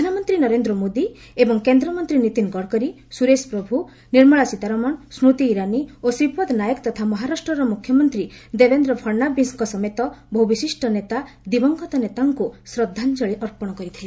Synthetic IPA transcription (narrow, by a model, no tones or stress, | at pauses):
d̪ʱanamɔnt̪ɾinɔɾend̪ɾɔmod̪i | ebɔŋkend̪ɾɔmɔnt̪ɾinit̪inɡɔɽkɔɾi | suɾespɾɔbʱu | niɾmɔɭasit̪aɾɔmɔnsɾut̪iːɾaniosɾipɔd̪najɔkt̪ɔt̪ʰamɔɦaɾasʈɾɔɾɔmukʰːjɔmɔnt̪ɾid̪ebend̪ɾɔbʱʰɔɾnabisŋkɔsɔmet̪ɔbʱɔɦubisisʈʰɔnet̪a | d̪ibɔŋɡɔt̪ɔnet̪aŋkusɾɔd̪ʱːant͡ʃɔɭiʔɔɾpɔɽ̃ɔkɔɾit̪ʰile